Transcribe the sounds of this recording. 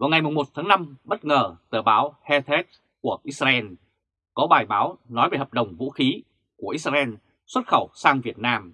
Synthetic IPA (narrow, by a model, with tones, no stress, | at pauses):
vaː˨wŋa˨˩jmʊ˨˩ŋ͡mmo˨˩t̚t̪ʰaː˨˦ŋna˧mɓə˦˥t̚ŋəː˨˩t̪əː˧˩ɓaː˨˦whɛ˧t̪ʰe˦˥t̚ | ku˧˩əʔi˦˥zaː˧ʔɛ˧n | kɔ˨˦ɓaː˨˩jɓaː˨˦wnɔ˨˦jve˨˩həː˨˩p̚ɗə˨˩wŋ͡mvṵ˧˥xi˨˦ | ku˧˩əʔi˦˥t̚zaː˧ʔɛ˧n | swə˦˥t̚xə˧˩wsaː˧ŋvi˨˩ət̚naː˧m